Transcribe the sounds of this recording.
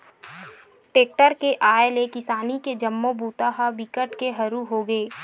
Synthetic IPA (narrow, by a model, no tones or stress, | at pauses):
ʈeːk̚ʈəɾkeʔaːelekɪsaːniked͡ʒɐmːobuːt̪aɦabɪkəʈkeɦɐɾuɦoɡeː